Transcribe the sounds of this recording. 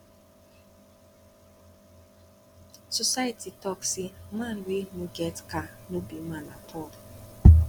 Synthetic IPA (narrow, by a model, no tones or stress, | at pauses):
sosajititɔksimãn̩wenũɡɛtkanobimanapʰɔl